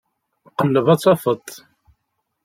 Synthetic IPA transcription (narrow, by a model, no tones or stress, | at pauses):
qəlːəvɑt͡sˤːɑfət̪ˤː